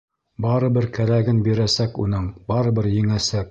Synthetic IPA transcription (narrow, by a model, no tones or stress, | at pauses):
bɑɾɤ̆bɘɾkæɾæɡɘnbiɾæsækunɤɴbɑɾɤ̆bɘɾjɘ̆ŋæsæk̚